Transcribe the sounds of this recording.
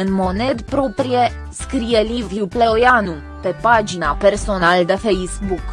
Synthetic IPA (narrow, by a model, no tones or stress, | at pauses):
ɨnmonɛd̪pɾopɾjɛ | skɾijɛlʲivjupleojanu | pɛpad͡ʒinapɛɾsonald̪əfɛjzbuk